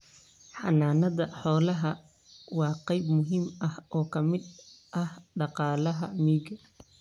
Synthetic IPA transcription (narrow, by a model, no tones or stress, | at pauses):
ħɑnaːnɐðɐħɔːlɐɦɐ | wɑːqɛjbmʊɦiːmɐhɔːkʰɐmɪd̪ʔɐhɖɑqɑːlɐɦɐmiːɡɐ